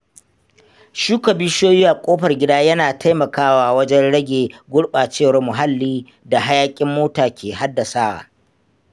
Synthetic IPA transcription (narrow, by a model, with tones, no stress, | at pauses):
ʃuː˦kɐ˨bɪ˦ʃoː˦jiː˦ʔa˨kʷʼoː˦ɸɐ˨rɡʲɪ˦daː˦jɐ˦naː˨tʰa˦jmɐ˨kaː˦waː˦wɐ˦d͡ʒɛ˦nɽɐ˦ɡʲeː˨ɡʷʊ˦ɽɓaː˨t͡ʃeː˦˨wɐ˨rmʊ˨ɦa˦lːiː˦ | da˨ɦa˦jaː˦kʲʼɪ˦mːoː˦taː˨kʲeː˨ha˦dːa˨saː˦wa̰ː˨